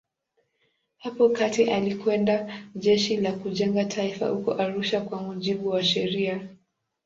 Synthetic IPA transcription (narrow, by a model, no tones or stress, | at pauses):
hapɔkatiʔalikwɛndaʄɛʃilakuʄɛŋɡatʰaifa̰hukɔ̰ʔaɾuʃakwamuʄiɓuwaʃɛɾia